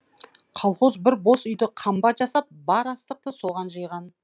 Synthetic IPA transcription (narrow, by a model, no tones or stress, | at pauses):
qʰɑlˠχozbɪɾbo̞sʏjd̪ɪqʰɑmbɑt̪ʒɑsɑp̚bɑɾɑst̪əq̚t̪əsoʁɑnʒəjʁɑn